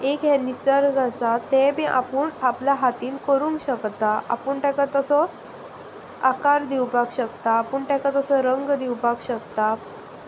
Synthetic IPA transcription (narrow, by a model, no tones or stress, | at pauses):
ekjɛnisəɾɡəsat̪ːẽbĩʔa̰puːɳapljaɦat̪iːnkəɾuːŋkɕəkt̪aʔa̰pəɳʈɛ̃kat̪əsɔ | akaɾd̪iwpakɕəkt̪aːpəːɳʈɛkat̪əsɔɾəŋɡd̪iwpakɕəkt̪a